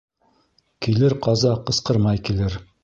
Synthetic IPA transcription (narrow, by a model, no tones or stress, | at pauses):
kilɘɾqɑzɑqɤ̆sqɤɾmɑjkilɘɾ